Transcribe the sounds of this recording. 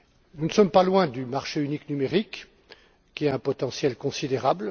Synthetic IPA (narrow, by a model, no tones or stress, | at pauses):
nunəsɔmpalwɛ̃d̪ymaʁʃeyniknymeʁik | kʲːiɛɛ̃pɔt̪ɑ̃sjɛlkɔ̃sid̪eʁabl